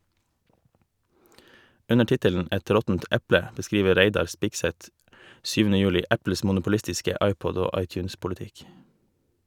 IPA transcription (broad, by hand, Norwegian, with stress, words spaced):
ˈʉnə ˈʈɪtəln̩ ˈɛt ˈɾɔtn̩t ˈʔæplə bəˈskɾiːʋə ˈɾæɪdɑɾ ˈspɪɡsɛt ˈsyːʋn̩ə ˈjʉːlɪ ˈʔæpl̩s mʊnʊpʊˈlɪstɪskə ˈʔɑɪˌpɔd ˈoː ˈʔɑɪˌtjʉːnspʊlɪˌtɪk